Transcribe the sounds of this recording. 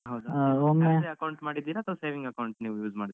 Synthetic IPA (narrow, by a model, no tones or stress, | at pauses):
ɦɐwd̪omeeɐkɐwɳʈmaːɽid̪ːiːɾaːt̪ʰɐʋɐseːʋĩŋɡɐkɐwɳʈniːʋujuːzmaːɽid̪